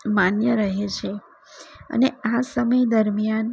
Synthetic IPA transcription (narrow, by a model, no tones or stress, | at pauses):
manjəɾəɦet͡ʃʰe | ə̰neasəməjd̪əɾmijan